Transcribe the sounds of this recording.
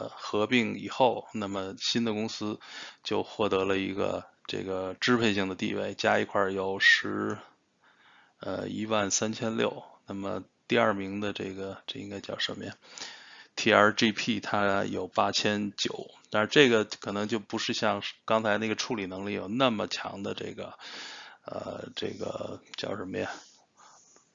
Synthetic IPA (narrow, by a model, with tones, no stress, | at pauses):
xɤ˧˥pi˥˩ŋi˨˩xo˥˩ʊna˥˩mə˩ɕi˥nd̪ə˨kʊ˥ŋsɹ̩˥t͡ɕjo˥˧ʊxwɔ˥˩t̪ɤ˧˥lə˧i˧˥ɡə̰˧ʈ͡ʂḛ˥˩ɡə˩ʈ͡ʂɻ̩˥pʰe˥˩ɪɕi˥˩ŋd̪ə˩t̪ḭ˥˧wḛ˥˩ɪt͡ɕja˥i˧˥kʰwa˞˥˩jo˨˩ʊʂɻ̩˧˥ | ə̰˧i˥wa˥˩nsa˥nt͡ɕʰjɛ˥nljo̰˥˩ʊna˥˩mə̰˩t̪i˥˧ɐ˞˥˩mi˧˥ŋd̪ə˧ʈ͡ʂḛ˥˩ɡə˩ʈ͡ʂɤ˥˩ḭ˥ŋka˥ɪt͡ɕjɑ˥˩ʊʂə˧˥m˥jɛ˥˩n | t̪ʰi˥˩ə˞˧˥ʈ͡ʂi˥pʰi˥˩t̪ʰa˥jo˨˩ʊpa˥t͡ɕʰjɛ˥nt͡ɕjo˨˩˦ʊt̪a˥˧ʈ͡ʂɤ˥˩ɡə˩kʰɤ˨˩nɤ˧˥ŋt͡ɕjo˥˩ʊpu˧˥ʂɻ̩˥˧ɕjɑ˥˧ŋkɑ˥ŋt͡sʰa˧˥ɪn˥˩ɡə˩˧ʈ͡ʂʰu˥˩li˨˩nɤ˧˥ŋli˥˩jo̰˨˩ʊna˥˩mə˩t͡ɕʰjɑ̰˧˥ŋd̪ə̰˧ʈ͡ʂɤ̰˥˩ɡə˩ | ə̰˧ʈ͡ʂɤ̰˥˩ɡə̰˩t͡ɕjɑ˥˩ʊʂə˧˥mə˥jɛ˥˩